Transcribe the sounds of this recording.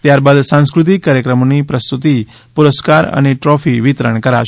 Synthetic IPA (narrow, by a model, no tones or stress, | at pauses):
t̪jaɾbad̪sãskɾut̪̬ikːaɾjəkɾəmonipɾəst̪ut̪i | puɾəskaɾə̰neʈɾɔfiʋit̪ɾəɳkəɾa̰ʃ